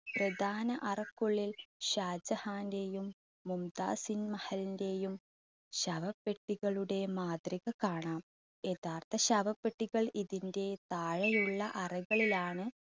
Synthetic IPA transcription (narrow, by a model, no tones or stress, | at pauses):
prɐd̪ʱaːnɐʔɐrɐkːuɭːilɕaːd͡ʑɐhaːnde̞jumː | umd̪a̰ːsinmɐhɐlinde̞jum | ɕɐʋɐpːeʈːiɣɐɭuɽe̞maːd̪riɣɐkaːɳaːm | e̞ðaːrt̪ʰɐɕɐʋɐpːeʈːiɣɐɭiðinde̞t̪aːɻɐjuɭːɐʔɐrɐɣɐɭilaːɳɨ